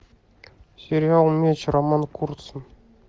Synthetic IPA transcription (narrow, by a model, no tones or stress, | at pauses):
sʲeɾʲjɑlˠmʲeɕɤ̆ɾɑmɑnkurt̪sɤ̆n